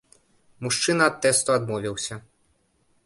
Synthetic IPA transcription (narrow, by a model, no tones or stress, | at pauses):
muʂt͡ʂɨnɐːt̪ːɛst̪uad̪mɔvʲiwsʲɐ